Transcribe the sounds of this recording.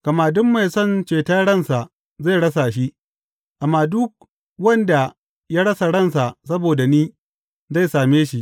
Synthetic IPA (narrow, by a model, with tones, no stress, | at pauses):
kɐ˨maː˨dʊ˦mːa˨jsɔ˦˨nt͡ʃeː˨taː˦ɽɐ˦˨nsa˨ʔ | za˦˨jɽɐ˦sa˨ʃi˦ | ʔa˨mːaː˨dʊ˦k̚ | wɐ˦nda˨ | jaː˦ɽɐ˦sa˨ɽɐ˦˨nsa˨ʔsɐ˦boː˨da˨niː˦ | za˦˨jsaː˨meː˦ʃi˦ʔ